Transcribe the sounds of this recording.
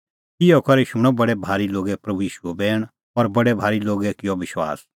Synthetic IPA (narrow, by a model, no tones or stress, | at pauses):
ɪjɔkɐɾiʃʊɽ̃ɔ̃bɐɽɛbʱaːɾiloːɡɛpɾɐbujiːʃuɛbɛːɽ̃ | ɔːɾbɐɽɛbʱaːɾiloːɡɛkɪjɔʋɪʃwa̰ːs